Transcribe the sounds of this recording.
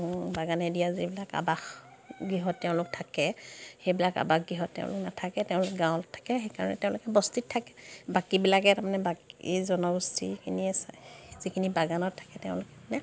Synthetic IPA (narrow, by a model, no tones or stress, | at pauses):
baɡanɛdijazibilaka̰bax | ɡiɦɔtːɛʊ̃lʊk̚tʰakɛxejbilaka̰baxɡɹiɦɔtːɛ̰ʊ̃lʊ̰knatʰakɛtɛʊ̃lʊkɛɡãʊ̃ltʰːḁkɛxejkaɹɔ̰nɛ̰tɛʊ̃lʊkɛbɔstit̚tʰːakɛ̥bakibilakɛtamanɛbakizɔnɔɡustʰḭkʰiniɛszikʰinibaɡanɔttʰḁkɛtɛʊ̃lʊkɛnɛ